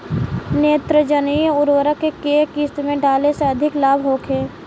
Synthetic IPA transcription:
neːt̪ɾəd͡ʒənijəʊɾwəɾəkːekeːkist̪mẽɖaːleseɐd̪ʱɪklaːbʱɦoːkʰeː

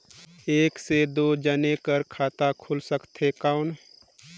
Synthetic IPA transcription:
eːksed̪oːd͡ʒənekəɾkʰaːt̪akʰʊlsəkt̪ɦekaʊn

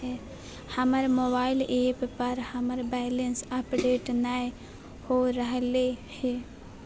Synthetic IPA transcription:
e | hɐməɾmobaːɪleːppɐɾhɐməɾbɛːlensɐpɖeːʈnai | hoɾɐɦlehe

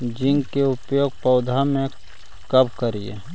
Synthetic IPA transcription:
d͡ʒɪ̃ŋɡkeʊpjoːɡ̚pɐʊd̪ʱamẽ | kɐbkəɾiḛ

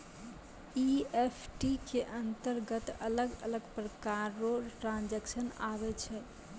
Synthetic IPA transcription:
iepʰʈikeʔənt̪əɾɡət̪ələɡə̰ləɡpɾəkaɾoʈɾãnd͡ʒɛksənaβɛt͡ʃʰɛ

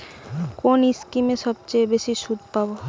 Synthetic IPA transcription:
koːnɪskimẽsəbt͡ʃebeːsisud̪ʱpaːbo

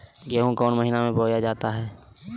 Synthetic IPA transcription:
ɡeːɦũkɔːnməɦinamẽboːjad͡ʒaːt̪aɦɛː

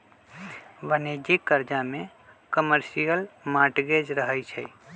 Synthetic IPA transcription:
ʋəned͡ʒikəɾd͡ʒamẽ | kəməɾsijəlmaʈɡed͡ʒɾəɦəjt͡ʃʰɛ

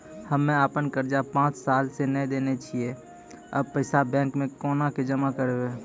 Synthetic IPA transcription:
həmːẽaːpənkəɾd͡ʒapãːt͡ʃsaːlsenəĩd̪eːnet͡ʃʰie | ə̰b̚pəɪsabɛ̃ːŋkmẽkoːnaked͡ʒəmakəɾeeː

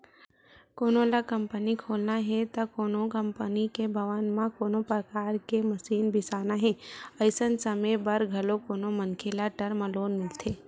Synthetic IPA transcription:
koːnolakəmpənikʰoːlnaɦɛt̪akoːnokəmpənikebʱəʋənmãkoːnopɾəkaːɾkeməsiːnbʱɪsaːnaɦɛ̃əɪsənsəməjbəɾɡʱɐlokoːnomənkʰelaʈəɾmə̃loːnmɪlt̪ʰeː

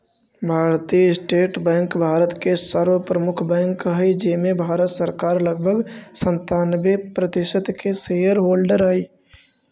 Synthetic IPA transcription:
bʱaːɾt̪ijɪsʈeːʈbɛ̃ːŋkbʱaːɾət̪kesaːɾʋəpɾəmʊkʰbɛ̃ːŋkaed͡ʒeːmẽbʱaːɾət̪səɾkaːɾləɡ̚bʱəɡsə̃nt̪aːnbepɾəd̪ɪʃət̪keseəɾɦoːlɖəɾaːiː

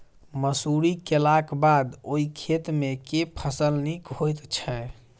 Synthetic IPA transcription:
məsuɾikelakbad̪oikʰet̪mekepʰəsəlnikɦojt̪t͡ʃʰɛ

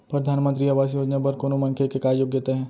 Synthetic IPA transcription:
pɾɐd̪ʱaːnmə̃nt̪ɾiaʋaːs̬ijoːd͡ʒnapɐɾkoːnomɐ̃ŋkʰekekaːɾjoɡjet̪eɦɛ̃ː

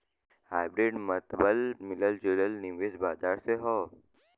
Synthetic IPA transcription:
haːjbɾeːɖmɐt̪bəlmɪləld͡ʒoːləlniʋeːzbaːd̪aːɾseɦɔː

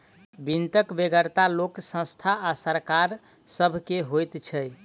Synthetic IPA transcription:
bint̪əkbeɡəɾt̪aloksə̃st̪ʰaasəɾkaɾ | səbʱkeɦojt̪t͡ʃʰəj

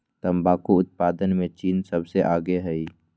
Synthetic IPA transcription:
t̪ɐmbaːkuʊt̪̚paːd̪ənmẽt͡ʃiːnsɐbseʔaːɡeɦɛi

